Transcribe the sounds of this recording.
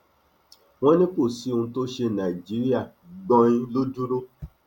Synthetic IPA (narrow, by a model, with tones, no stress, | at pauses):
w̃ɔ̃˦nĩ˦k͡po˦˨si˨˦˧ũ˧˦to˦ʃe˧nã˨i˨d͡ʒi˨˦ɾi˦a˦˨ | ɡ͡bɔ̃˧ĩ˦lo˦du˦ɾo˦